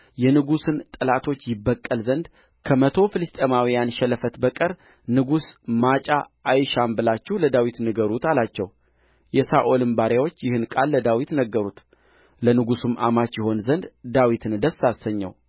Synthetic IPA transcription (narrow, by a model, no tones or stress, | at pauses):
jɛnɨɡusɨnt̪ʼəlat̪ʰo̞t͡ʃːjɪbːəkʼːəlzənd̪ | kʰəmət̪ʰo̞fɨlɨst̪ʼemawijanʃɛləfət̪bəkʼəɾ | nɨɡusmat͡ʃʼaː | jʃambɨlat͡ʃːɛwləd̪awit̪nɨɡəɾut̪alat͡ʃːɛw | jɛsaʔo̞lɨmbaɾjawo̞t͡ʃːjɪhɨnkʼalːəd̪awit̪nəɡːəɾut̪ | lənɨɡusɨmʔa̰mat͡ʃːjɪho̞nzənd̪d̪awit̪ʰɨnd̪əsːasəɲːɛ̰w